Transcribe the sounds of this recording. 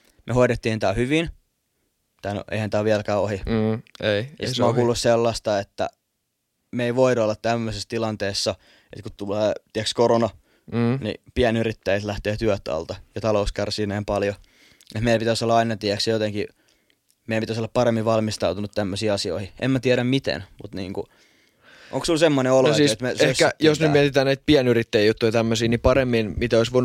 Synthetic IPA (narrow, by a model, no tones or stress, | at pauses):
mehoiɾet̪ːiːnt̪æːhyʋin | t̪æːno̰ʔḛihænt̪æːʋiælkæːohi | ijɑ̰sit̪moːŋkuːlːusselːɑst̪ɑet̪ːæ̰ | meiʋoitolːɑt̪t̪æmːøsest̪ilɑnt̪eːsːɑ | ḛt̪kutt̪uleːt̪iækskoronɑ | nḭpiænyrit̪ːæit̪læht̪eːt̪yœt̪ɑ̰lt̪ɑjɑt̪ɑlouskærsiːnæːmpɑljo | ʔet̪meijlæpit̪æsolːɑɑinɑt̪iæksjjot̪eŋki | meijæpiæsolːɑpɑɾemːiʋɑlmist̪ɑut̪unut̪t̪æmːøsiːɑsio̰ihiʔḛmmæt̪iæɾæmmit̪ḛnmut̪nḭːŋku | ʔo̰ŋksulsemːoneolonosiːset̪meseskːæjosnyt̪iɛt̪it̪æːnæit̪̚piɛnyrit̪ːæijut̪ːujt̪æmːøsiːnipɑremːinmit̪æoisʋoin